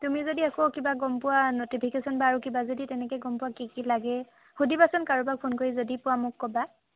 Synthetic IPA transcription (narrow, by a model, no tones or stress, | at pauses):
tumizodiakokibaɡɔmpʊwanotipʰikesɔnbaːɹukibazoditɛnɛkɛɡɔmpʊwakikilaɡɛ | xudibasɔnkaɹubak̚pʰonkoɹizodipʊwamʊkːɔba